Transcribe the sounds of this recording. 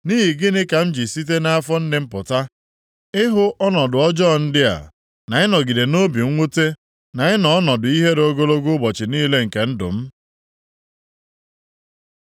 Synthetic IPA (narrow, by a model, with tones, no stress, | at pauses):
niː˦ɦi˨ɡɪ˦nɪ˦ka˨m̩˦d͡ʒi˨si˦t̬e˦na˦a˦fɔ˦n̩˦dɪ˦m̩˦pʊ˨ta˦ | ɪ˦ɦʊ˦ʔɔ˦nɔ˨dʊ˨ɔ˦d͡ʒɔ˦˨n̩˦dɪ˦a̰˨ | na˨ɪ˦nɔ˨ɡi˨de˨no˦bi˨˦ŋʷu˦te˦ | na˨ɪ˦nɔ˨ɔ˦nɔ˨dʊ˨i˦ɦe˦ɾo˦ɡo˦lo˦ɡʊ˦bɔ˨t͡ʃɪ˨niː˦le˦ŋ̩˨ke˨n̩˦dʊ̰˨m̩˦